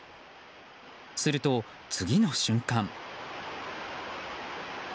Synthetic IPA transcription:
sɨɾɯ̟t̪o̞ | t͡sɨɡʲino̞ɕɨ̃ŋkãŋ

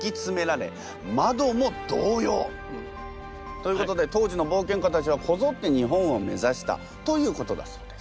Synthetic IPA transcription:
kʲit͡sɨme̞ɾaɾe̞̰ | mad̪o̞mo̞d̪̥oːjo̰ː | t̪oiɯ̟kot̪o̞d̪e̞t̪o̞ːʑino̞bo̞ːkeŋkat̪at͡ɕiβ̞akʰo̞zo̞t̪ːe̞ɲ̟iɦõ̞ɰ̃o̞me̞̰zaɕi̥t̪a̰ | t̪o̞jɯ̟ːko̞t̪o̞d̪esɨ̥

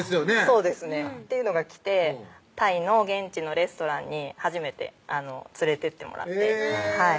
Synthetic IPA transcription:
esɨjoneso̞ːd̪e̞sɨne̞t̪ːeiɯ̟no̞ɡakʲi̥t̪e̞t̪aino̞ɡẽ̞ɲt͡ɕino̞ɾe̞sɨ̥t̪o̞ɾãɲ̟ːihaʑime̞t̪e̞̰ano̞̰t͡sɨɾe̞t̪e̞t̪ːe̞̰moɾʔa̰ːehai

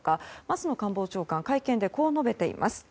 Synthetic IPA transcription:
kamasɨno̞kãmbo̞ːt͡ɕo̞ːkãŋkaikend̪e̞ko̞ːno̞be̞t̪e̞ḭmʔa̰sɨ̥

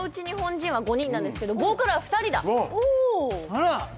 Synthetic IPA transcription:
ɯ̟t͡ɕiɲ̟iɦõ̞ɲd͡ʑĩɰ̃βaɡo̞ɲ̟ĩnːãnd̪esɨ̥ke̞d̪obo̞ːkaɾaβaɸɯ̥t̪aɾʲid̪a̰oo | ɾa

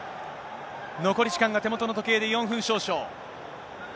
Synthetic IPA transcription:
no̞ko̞ɾʲit͡ɕi̥kãŋɡat̪e̞mo̞t̪o̞no̞t̪o̞ke̞ːd̪e̞jõ̞ɰ̃ɸɯ̟̃ɰ̃ɕo̞ːɕo̞ː

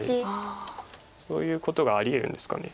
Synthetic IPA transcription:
i | so̞ːjɯ̟ːko̞t̪o̞ɡaːɾʲie̞ɾɯ̟̃nd̪e̞sɨ̥kane̞̰

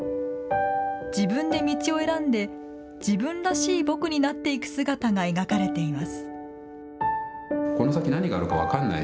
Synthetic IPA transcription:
d͡ʑibɯ̟̃nd̪e̞mʲit͡ɕio̞e̞ɾãnd̪e̞ | d͡ʑibɯ̟̃nɾaɕiːbo̞kɯ̟ɲ̟inat̪ːe̞ikɯ̟̥sɨɡat̪aŋae̞ɡakaɾe̞t̪e̞imasɨ̥ | ko̞no̞sakʲinaɲ̟iɡaːɾɯ̟kaβa̰kanːa̰

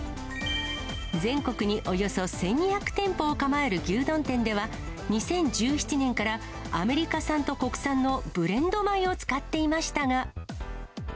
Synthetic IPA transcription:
d͡zẽ̞ŋko̞kɯ̟ɲ̟iʔo̞jo̞so̞sẽ̞ɲ̟ːiçakɯ̟̥t̪ẽ̞mpo̞ːkamae̞ɾɯ̟ɡʲɨːd̪õ̞nt̪ẽ̞nd̪e̞β̞a | ɲ̟isẽ̞ɲ̟d͡ʑɨːçi̥t͡ɕinẽ̞ŋkaɾa | ame̞ɾʲikasãnt̪o̞ko̞kɯ̟̥sãnːo̞b̥ɯ̟ɾẽ̞nd̪o̞maio̞t͡sɨ̥kat̪ːe̞imaɕi̥t̪aɡa

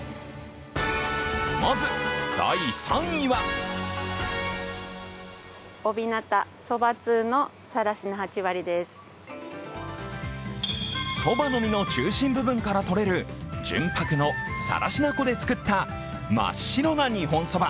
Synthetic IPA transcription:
mazɨd̪̥a̰isãŋɲiβa | o̞bʲinat̪aso̞bat͡sɨːno̞ | saɾaɕinahat͡ɕiβaɾʲid̪e̞sɨ̥ | so̞bano̞mʲino̞t͡ɕɨːɕĩmbɯ̟bɯ̟̃ŋkaɾat̪o̞ɾe̞ɾɯ̟d͡ʑɨ̰̃mpakɯ̟no̞sa̰ɾʔa̰ɕinako̞d̪e̞t͡sɨ̥kɯ̟t̪ːa | ma̰ɕiɾo̞naɲ̟iɦõ̞ɰ̃so̞ba

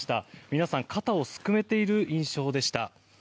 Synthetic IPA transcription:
i̥t̪amʲinasãŋkʰat̪ao̞sɨ̥kɯ̟me̞t̪e̞iɾɯ̟ĩɰ̃ɕo̞ːd̪e̞ɕi̥t̪a̰

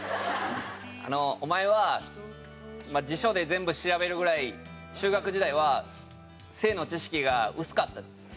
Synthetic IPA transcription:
a̰no̞omae̞βa | mad͡ʑiɕo̞d̪e̞zẽ̞mbɯ̟ɕiɾabe̞ɾɯ̟ɡɯ̟ɾai | t͡ɕɨːɡakɯ̟ʑid̪aiβa | se̞ːno̞t͡ɕiɕi̥kʲiɡaɯ̟sɨ̥kat̪ːa

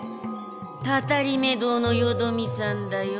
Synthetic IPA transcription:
t̪at̪aɾʲime̞d̪oːnojod̪omʲisãnd̪ajo

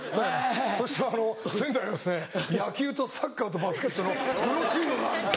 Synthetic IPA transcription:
soso̞ɕi̥t̪eaːno̞sẽ̞nd̪ajd̪osɨne̞jjakʲɨːt̪o̞sakːat̪̬obaskʲe̞t̪ːonokɯɾot͡ɕiːmɯɡa

